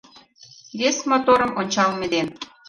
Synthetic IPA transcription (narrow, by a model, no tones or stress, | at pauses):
βesmot̪oɾə̆monʲt͡ɕɑlmĕd̪en